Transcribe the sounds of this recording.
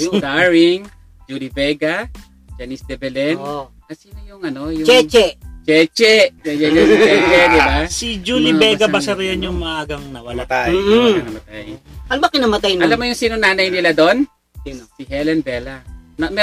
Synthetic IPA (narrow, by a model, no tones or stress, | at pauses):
d̪aɹɪŋ | d͡ʒuːlibɛɡa | d͡ʒanisd̪ɛbɛlɛn | ɐsiːnojʊŋɐno̞jʊt͡ʃɛt͡ʃɛt͡ʃɛt͡ʃɛʔjɐjɐɲɐɛd͡ʒɛd̪ɪbasid͡ʒulibɛɡɐbɐsɐɾɐjɐnjʊŋmɐʔaːɡɐŋnɐwamɐt̪aɪnɐmɐt̪ajɐlbakɪnamɐt̪ajnɐlamːojʊŋsiːnonaːnɐjnɪlad̪o̞n | sɪɦɛlɛnbɛːlɐnɐmɛ